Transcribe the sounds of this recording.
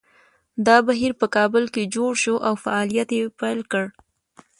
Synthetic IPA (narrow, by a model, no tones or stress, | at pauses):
d̪ɑbaɦiɾpəkɑbʊlked͡ʒoɽʃoʔawfaɑlijat̪jepajlkəɽ